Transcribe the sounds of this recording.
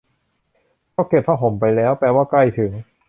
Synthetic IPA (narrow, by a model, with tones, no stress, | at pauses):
kʰɔː˥˩ke˨˩p̚ʰa˧˥˩ɦo˨˩˦mpa˧jlɛː˦˥wpɛː˧waː˥˩kla˥˩jt̪ʰɯ˩˦ŋ